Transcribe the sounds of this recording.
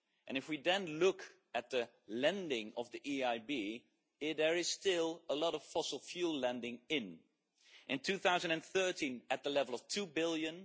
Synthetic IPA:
ʔɨ̃nɨfwidɨ̃nlʊk | ɨt̪̚ðɨ | lɛ̃ndɪ̃ŋʌvðiʔiaɪbi | ðə˞ɪz̥stɪlˠəlɔɾʌv̥fɔsl̩ˠfjullɛ̃ndɪ̃ŋɪ̃n | ʔɨ̃ntʰʉθaʊzɨ̃ndɨ̃nθɜ˞tʰĩnɨt̪̚ðəlɛvlˠʌv̥tʰubɪlˠjɨ̃n

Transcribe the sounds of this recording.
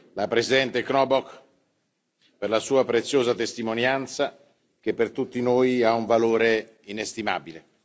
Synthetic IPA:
lapɾesid̪ɛnt̪eknɔbɔk | perlasuːapɾet̪sːjoːzat̪est̪imonjant̪sa | kepːert̪ut̪ːinoːjauɱvaloːɾe | inest̪ima̰bile

